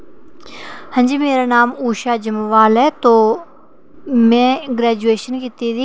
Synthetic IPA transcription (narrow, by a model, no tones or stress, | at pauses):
hə̃ɲd͡ʒimeːɾanaːmuːʃaːd͡ʒəmʋaːlɛt̪oː | mɛ̃ːɡɾɛːd͡ʒueːʃənkɪt̪id̪i